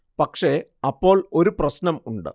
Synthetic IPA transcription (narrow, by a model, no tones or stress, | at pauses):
pɐkʂe̞ɐpːo̞ːɭo̞ɾuprɐɕnɐmuɳɖɨ̰